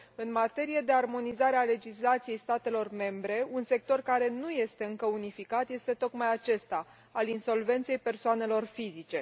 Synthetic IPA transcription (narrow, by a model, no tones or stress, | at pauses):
ɨnmat̪e̞ɾije̞d̪e̞armo̞nizaɾeale̞d͡ʒislat̪sije̞jst̪at̪e̞lo̞rme̞mbɾe̞unse̞k̚t̪o̞rkaɾe̞nuje̞st̪e̞ɨŋkəunifikat̪je̞st̪e̞t̪o̞kmajat͡ʃe̞st̪a | alinso̞lve̞nt̪se̞jpe̞rsoane̞lo̞rfizit͡ʃe̞